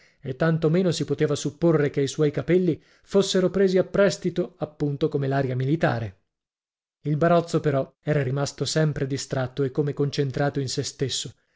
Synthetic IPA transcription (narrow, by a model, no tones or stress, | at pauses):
et̪ːant̪omeːnosipot̪eːvasupːorːekeiswɔjkapɛlːi | fosːeɾopɾeːziapːɾɛst̪it̪oapːunt̪okomelaːɾjamilit̪aːɾe | ilbaɾɔt̪sːopeɾɔɛːɾaɾimast̪osɛmpɾed̪ist̪ɾat̪ːoekːomekːont͡ʃent̪ɾaːt̪oinsest̪esːo